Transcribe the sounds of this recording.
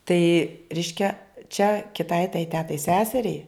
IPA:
tɐɪ ˈrʲɛɪʃʲkʲɛ t͡ʃʲɛ kʲɪˈtɐɪ tɐɪ ˈtʲæːtɐɪ ˈsʲæːsʲɛrʲɛɪ

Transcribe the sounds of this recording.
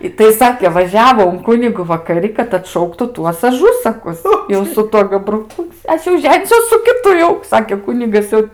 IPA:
ɪ tɐɪ ˈsɑːkʲeː ʋɐˈʒʲæːʋoː ʊn ˈkʊnʲɪɡʊ ʋɐkɐˈrʲɪ kɐt ɐtˈʃɐʊktʊ ˈtuɔs ˈɑːʒʊsɐkʊs jɛʊ sʊ ˈtuɔ ɡɐbrʊˈkʊ ˈɐʃ jɛʊ ˈʒʲæːnʲɪsʲuɔs sʊ kʲɪˈtʊ jɛʊ ˈsɑːkʲeː ˈkʊnʲɪɡɐs jɛʊ

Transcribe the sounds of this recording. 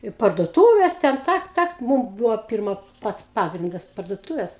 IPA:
ɪ pɐrduɔˈtuːʋʲeːs ˈtʲɛn ˈtɐk ˈtɐk ˈmuːm ˈbuːʋoː ˈpʲɪrmɐ ˈpɐts ˈpɑːɡrʲɪndɐs pɐrduɔˈtuːʋʲɛs

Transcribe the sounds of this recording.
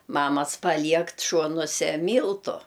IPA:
ˈmɑːmɐs pɐˈlʲiɛkt ˈʃuɔnuɔsʲɛ ˈmʲiːlˠtʊ

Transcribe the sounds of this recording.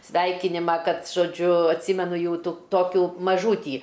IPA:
ˈsʲʋʲɛɪkʲɪnʲɪmɐ ˈkɐt ʒoːˈd͡ʒʲʊ ɐtʲˈsʲiːmʲɛnʊ ˈjɛʊ ˈtʊ ˈtoːkʲuː mɐˈʒuːtʲiː

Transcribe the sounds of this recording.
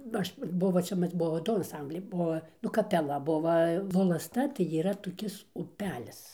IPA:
ˈɐʃ ˈbʊʋoː ˈt͡ʃʲɛ ˈmɐs ˈbuɔ ˈdʊ ɐnˈsɐmʲbʲlʲɛɪ ˈbuɔ nʊ kɐpʲɛˈlˠɐ ˈbʊʋɐ ʋoːlˠɐsˈtɐ tɐɪ iːˈrɐ toːˈkʲɪs ʊˈpʲæːlʲɪs

